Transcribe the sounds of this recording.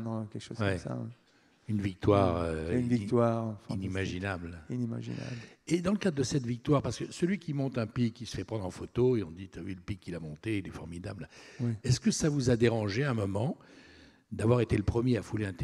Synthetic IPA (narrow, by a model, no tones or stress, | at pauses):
ñkʲɛkʃo̰zwɛsa̰ | ynvik̚t̪waʁønvikt̪waʁfinimaʒinablinima̰ʒḭna̰bled̪ɑ̃ləkad̪ʁd̪əsɛt̪vik̚t̪waʁpaʁskəsəlɥikʲimɔ̃t̪ɛ̃pikːisə̥fɛpχɑ̃d̪ʁɑ̃fot̪oeɔ̃d̪it̪aviləpikːilamɔ̃t̪eilɛfɔʁmid̪ablawɛɛskəsavuzad̪eʁɑ̃ʒeɛ̃mɔmɑ̃ | d̪avwaʁet̪eləpχəmjeafuleɛ̃t̪